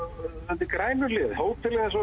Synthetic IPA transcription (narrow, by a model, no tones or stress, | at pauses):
sɛmt̪ɪkɾaːjnʏlɪðhoːw̚t̪ʰɪɾlɪɣɛsɔ